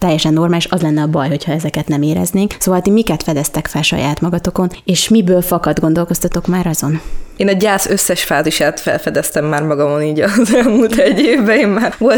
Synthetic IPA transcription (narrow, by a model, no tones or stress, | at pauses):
t̪ɛjːɛʃɛnːo̞rmaːliʃɒzlɛnːɛɒbɒjho̞cʰhɒɛzɛkɛt̪nɛmeːɾɛ̰zneːŋksoːvɒlt̪imikɛt̪fɛd̪ɛst̪ɛkfɛlʃɒ̰jaːt̪mɒɡɒt̪o̞ko̞neːʃmibøːlfɒkɒd̪ɡo̞nd̪o̞lko̞st̪ɒt̪o̞kmaːɾɒzo̞neːnɒɟaːsøsːɛʃfaːziʃaːt̪fɛ̰lfɛd̪ɛst̪ɛmːaːɾmɒɡɒmo̞niːɟɒzɛlmuːlt̪ɛɟːeːvbɛeːmmaːrvo̞l